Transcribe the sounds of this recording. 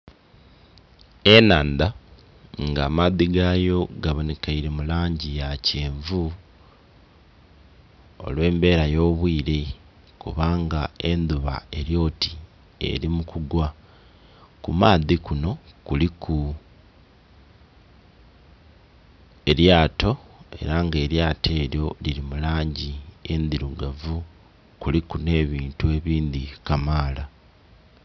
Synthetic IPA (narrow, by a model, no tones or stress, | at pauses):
e̞naːnd̪a | ŋɡaːmaðiɡaːjo̞ɡaβonekaiɾimulaːɲɟijaceːɱvu | o̞̰lwe̞ːmbe̞ːɾajo̞ːβwiːɾe̞ | kṵβaːŋɡae̞nd̪uβa̰e̞ɾjo̞ːti̥ | e̞̰ɾimukuɡwa | kumaːðikuno̞kulikʰu | e̞ɾjaːto̞e̞̰ɾaŋɡe̞ːɾjaːtʰe̞ːɾjo̞liɾimulaːɲɟie̞ndiɾuɡavu | kulikune̞ːβiːntue̞βiːnd̪ikamaːla